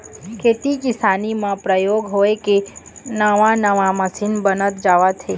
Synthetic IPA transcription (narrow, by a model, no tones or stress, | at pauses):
kʰet̪ikɪsanimãpɾəjoɡɦojkenəʋãnəʋãməsinbənət̪d͡ʒaʋat̪ʰe